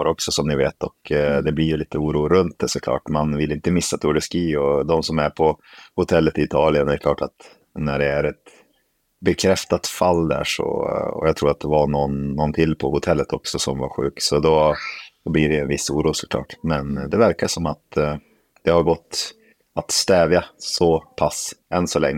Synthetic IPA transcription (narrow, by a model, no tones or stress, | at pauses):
ɾɔksɔsɔmnɪveːt̪ɔkd̪ɛblɪjɵliːt̪əuːɾuːɾɵnt̪̚d̪ɛsɔkʰlɑ̰ːʈmanvɪlːɪnt̪əmɪsːat̪ʰʊɖəskiːɔd̪ɔmsɔmæɾpʰɔhʊt̪ʰɛlːət̪ɪɪt̪ʰɑːlɪənɛɾkʰlɑːʈat̪ | næɖɛæɾɛt̪ | bɛkʰɾɛft̪at̪falːd̪æ̰ːʂɔ̰ɔ̰jɑɡt̪ʰɾuːɾat̪d̪ɛvanɔnːɔnt̪ʰɪlːpʰɔhʊt̪ʰɛlːət̪ɔksɔsɔmva̰ɾɧʉ̟ːksɔd̪ɔd̪̥ɔblɪɖɛɛnvɪsːuːɾuːsɔ̥kʰlɑ̰ːʈmɛnd̪ɛvæɾkaʂɔmat̪ | d̪̥ɛhaɾɡɔt̪ː | at̪st̪ɛːvjasɔpʰasɛnsɔlɛŋːə